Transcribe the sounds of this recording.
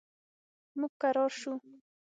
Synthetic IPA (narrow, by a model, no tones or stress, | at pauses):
mʊkaɾoʃʊ